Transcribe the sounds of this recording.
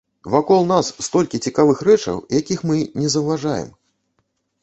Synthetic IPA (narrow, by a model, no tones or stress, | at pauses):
vakɔlˠnasːt̪ɔlʲkʲit͡sʲikavɨxɾɛt͡ʂɐ̰wjakʲixmɨnʲɛzɐwvaʐajɛ̰m